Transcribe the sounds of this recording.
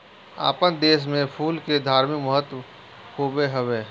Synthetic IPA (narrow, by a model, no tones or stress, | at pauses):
a̰ːpənd̪eːʃ̬mẽpʰuːlked̪ʱaːɾmɪkməɦət̪ | koːbeɦəʋeː